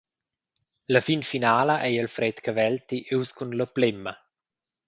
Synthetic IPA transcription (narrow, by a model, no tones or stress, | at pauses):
ləfinfinaːləʔɛjəlfɾɛt̪kəvɛlt̪iʔeuskunləplemːə